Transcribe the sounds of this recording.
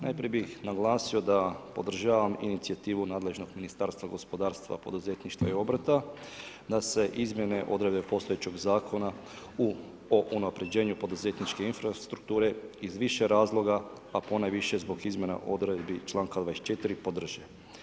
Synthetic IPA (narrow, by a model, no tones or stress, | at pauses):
na̰jpɾije̞bixnaɡlˠaːsio̞d̪apo̞d̪r̩ʒaːʋamḭnit̪siat̪iːʋunaːd̪le̞ʒnoɡminist̪aːɾst̪ʋaɡo̞spo̞d̪aːɾst̪ʋa̰po̞̰d̪uze̞t̪niʃt̪ʋa̰io̞bɾat̪a | d̪ase̞ʔizmʲje̞ne̞ʔo̞d̪ɾe̞d̪bepo̞st̪o̞jet͡ɕoɡzaːkʰo̞na | u | oʔunapɾe̞d͡ʒe̞ːɲupo̞d̪uze̞t̪nit͡ʃke̞infɾast̪ɾuk̚t̪uːɾe̞izʋiʃe̞ɾaːzlˠo̞ɡa | apo̞najʋiʃezbo̞ɡizmʲjena̰ʔo̞d̪ɾed̪bit͡ʃlˠaːŋkad̪ʋaest͡ʃe̞t̪iɾipo̞d̪r̩ʒe